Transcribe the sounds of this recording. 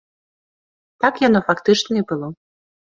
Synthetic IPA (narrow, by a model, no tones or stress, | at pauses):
t̪akjanɔfakt̪ɨt͡ʂnɐibɨlˠɔ